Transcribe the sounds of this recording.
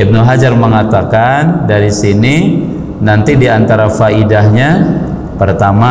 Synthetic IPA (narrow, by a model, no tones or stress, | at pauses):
ib̚nuɦad͡ʒarməŋat̪akandaɾisini | nant̪idiant̪aɾafaidahɲa | pərt̪ama